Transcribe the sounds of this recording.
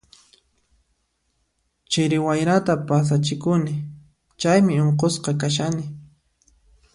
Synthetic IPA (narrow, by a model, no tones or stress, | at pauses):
t͡ʃɪɾɪwajɾat̪apas̬at͡ʃɪkʊnɪ | t͡ʃajmɪoɴq̬osqɑkaʃanɪ